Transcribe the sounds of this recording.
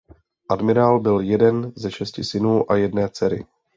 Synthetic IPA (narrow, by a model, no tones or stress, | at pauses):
ʔadmɪɾaːlbɪljɛdɛnzɛʃɛscɪsɪnuːʔajɛdnɛːt͡sɛɾɪ̰